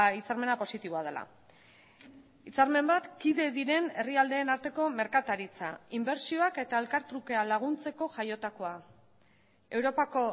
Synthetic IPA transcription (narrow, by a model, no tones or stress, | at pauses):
it͡saɾme̞napo̞sit̪iβ̞o̞að̞ela̰ | it͡saɾme̞mbat̪kiðe̞ðiɾe̞ne̞riald̪e̞ːnaɾt̪e̞ko̞me̞ɾkat̪aɾit͡sa̰imbe̞ɾsioake̞t̪ae̞lkaɾt̪ɾuke̞alaɣ̞unt͡se̞ko̞ʝajo̞t̪ako̞a | e̞wɾo̞pako̞